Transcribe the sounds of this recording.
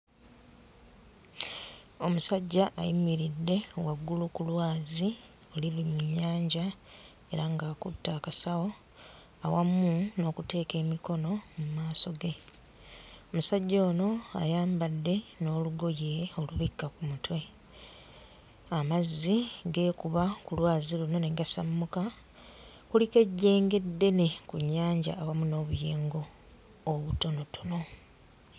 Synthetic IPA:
o̞musaɟːaʔa̰jimiɾidːe̞waɡːulukulwaːzi | oliβimuɲːaːɲɟa | e̞ɾaŋɡaːkṵtːaːkasawo̞ | awamːuno̞ːkute̞ːke̞ːmiko̞no̞mumaːso̞ɡe̞ | o̞musaɟːo̞ːno̞a̰jaːmbadːe̞no̞ːluɡo̞jeo̞luβikːakumutwe̞ | amazːiɡe̞ːkuβakulwaːziluno̞ne̞ɡasamːuka | kulike̞ɟːe̞ːŋɡe̞dːe̞ne̞kuɲːaːɲɟa̰ːwamuno̞ːβuje̞ːŋɡo̞ː | βuto̞no̞tu̥no̞

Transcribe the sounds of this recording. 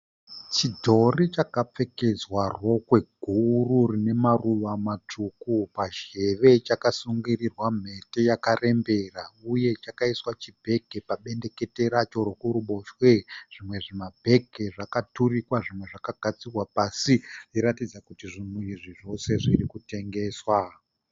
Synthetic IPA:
t͡ʃidʱo̞rit͡ʃakap͡fe̞ke̞d͡zwarwo̞kwe̞ɡʱururine̞maruʋamatʰukupaʒe̞ʋe̞t͡ʃakasuŋɡirirwam̤e̞te̞jakare̞mbe̞rauje̞t͡ʃakaiswat͡ʃibʱe̞kepaɓe̞nde̞ke̞te̞ɾat͡ʃo̞ɾokuɾuɓo̞ʃwe̞ʐ̥imwe̞ʐimabʱe̞ke̞ʐakaturikwaʐimwe̞ʐakaɡ̥ʱat͡sirwapasiiɾatid͡zakutiʐimuiʐiʐo̞se̞ʐirikute̞ŋɡe̞ːswa

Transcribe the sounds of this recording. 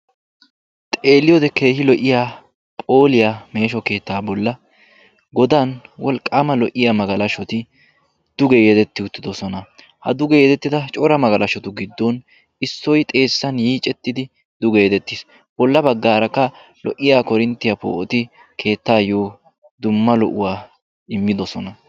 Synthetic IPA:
t̪ʼe̞ːlɪjod̪ɛke̞ːhɪlɔʔɪjaː | pʼo̞ːlɪjame̞ːʃɔke̞ːt̪ːaːbɔlːɐ | ɡɔd̪anwɔlkʼːaːmɐlɔʔɪjamɐɡɐlɐʃɔt̪ɪ | d̪̥ʊɡɛjɛd̪ɛt̪ːɪʊt̪ːɪd̪ɔsɔnɐ | hɐd̪ʊɡɛjɛd̪ɛt̪ːɪd̪ɐt͡ʃʼɔɾɐmɐɡɐlɐʃɔt̪ʊɡɪd̪ːɔn | ɪsːɔjt̪ʼe̞ːsːɐnjiːt͡ʃʼːɛt̪ːɪd̪ɪ | d̪̥ʊɡɛjɛd̪ɛt̪ːɪs | b̥ɔlːɐbɐɡːaːɾɐkːɐ | lɔʔɪjaːkɔɾɪnt̪ːɪjɐpo̰ːʔɔt̪ɪ | kʰe̞ːt̪ːaːjoː | d̪ʊmːɐlɔʔʊwaː | ɪmːɪd̪ɔsɔnɐ

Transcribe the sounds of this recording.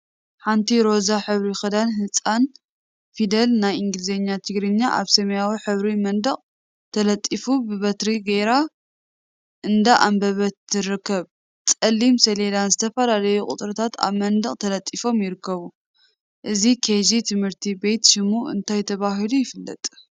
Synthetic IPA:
ħant̪ʰiɾo̞zaħɨβɾixɨd̪anɦɨt͡sʼan | fid̪ɐlnajʔiŋɡlizeɲːat̪ʰɨɡɾɨɲːaʔa̰βsɐmɐjawiħɨβɾimɐnd̪ɐχʼ | t̪ʰɐlɐt̪ʼːifubɨβɐt̪ɾiɡɐjɾa | ʔɨnd̪aʔambɐβɐt̪ːɨrɨkʰːɐβ | t͡sʼɐlːimsɐled̪anzɨt̪ʰɐfɐlalɐjukʼʊt̪ʼɾɨt̪ʰat̪a̰βmɐnd̪ɨχʼt̪ʰɐlɐt̪ʼːifo̞mjɪɾɨkʰːɐβu | ʔɨzikʰezit̪ʰɨmhɨɾt̪ʰibe̞jt̪ʃɪmuɨ̰nt̪ʰajt̪ʰɐβaɦilujɪfɨlːɐ̰t̪ʼ

